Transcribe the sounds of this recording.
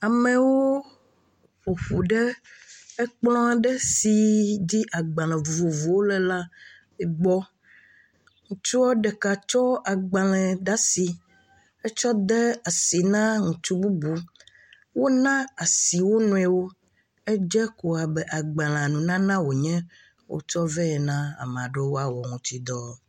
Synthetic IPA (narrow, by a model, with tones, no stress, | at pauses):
a˨mɛ˨wo˦ | ɸo˨ɸu˨ɖɛ˦ɛ˦k͡plɔ̃˦a˨ɖɛ˦si˨di˦ʔa˨ɡ͡bã˨l̃ɛ̃˨vo˨vu˨wo˦lɛ˨la˦ | ɛ˨ɡ͡bɔ˦ | ŋũ˨t͡ʃu˦wo˦ɖɛ˨ka˨t͡ʃɔ˦a˨ɡ͡ba˨lɛ̃˨ɖa˦si˨ | e˦t͡ʃɔ˦d̪ɛ˦a˨si˨nã˦ŋũ˨t͡ʃu˦bu˦bu˨ | wo˦nã˦a˨si˨wo˦nũ˨ɛ˨wo˦ | e˦d͡ʒɛ˦ko˨a˨bɛ˨ʔa˨ɡ͡bã˨l̃ã˨nũ˨nã˦nã˦wo˨ɲɛ̃˦ | wo̰˦t͡ʃɔ˦vɛ˦ɛ˨nã˦a̰˨m˨ã˨ɖe˦wo˦a˨wɔ˨ŋũ˨t̪i˨d̪ɔ˦